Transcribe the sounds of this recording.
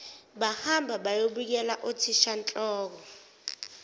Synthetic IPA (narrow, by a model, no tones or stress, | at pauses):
ɓahambʱaɓajoɓik̬ɛlaʔotʰiʃant͡ɬʼɔːk̬ɔ